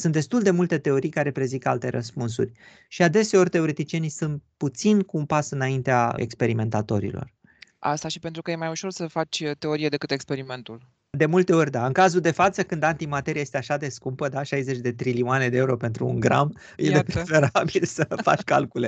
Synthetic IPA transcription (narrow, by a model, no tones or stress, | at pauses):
sunt̪d̪e̞st̪uld̪e̞mult̪e̞t̪e̞o̞ɾijkaɾe̞pɾeziŋka̰lt̪e̞ɾʔə̰spunsṵrʲ | ʃiad̪e̞se̞o̞rʲt̪e̞o̞ɾet̪it͡ʃie̞nijsunt̪̚put̪sinkuːnpasɨnaint̪eaḛkspe̞ɾime̞nt̪at̪o̞ɾḭlo̞̰r | ʔa̰st̪aʃipe̞nt̪ɾukəje̞majuʃo̞rsəfat͡ʃʲt̪e̞o̞ɾijed̪e̞kɨt̪e̞kspe̞ɾime̞nt̪ul | d̪e̞mult̪e̞o̞rʲd̪aɨŋkazuld̪e̞fat̪səkɨnd̪ant̪imat̪e̞ɾjieje̞st̪eaʃad̪e̞skumpəd̪aʃajze̞t͡ʃʲd̪e̞t̪ɾiliuane̞d̪eeuɾo̞pe̞nt̪ɾuːŋɡɾa̰m | jeepɾefe̞ɾabilsəfa̰t͡ʃʲka̰lkule̞